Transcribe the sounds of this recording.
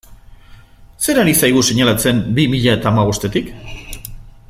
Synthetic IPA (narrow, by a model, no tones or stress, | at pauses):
se̞ɾaɾisajɣ̞use̞ɲalat͡se̞mbimiʎae̞t̪aːmaɣ̞ost̪e̞t̪ik